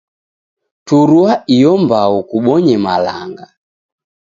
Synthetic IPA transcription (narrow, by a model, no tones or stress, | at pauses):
tuɾuaijɔmbaukuɓɔɲɛmalaŋɡa